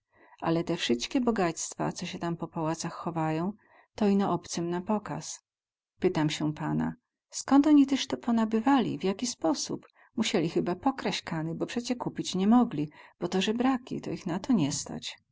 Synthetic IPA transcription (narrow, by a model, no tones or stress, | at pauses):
ʔa̰lɛt̪ɛfʂɘst̪kʲɛbɔɡat̪st̪fa̰t̪sɔɕɛt̪ampɔpawat̪saxːɔvajɔ̃w̃ | t̪ɔinɔʔɔpt̪sɨmnapɔka̰s | pɘt̪amɕɛpana̰ | skɔnt̪ɔɲit̪ɛʂt̪ɔpɔnabɘvalʲḭvjakʲispɔsṵp | muɕɛlʲixɘbapɔkɾaɕkanɘbɔpʂɛt͡ɕɛkupʲit͡ɕɲɛmɔɡlʲib̥ɔt̪ɔʐɛbɾakʲḭt̪ɔ̰ixnat̪ɔɲɛst̪a̰t͡ɕ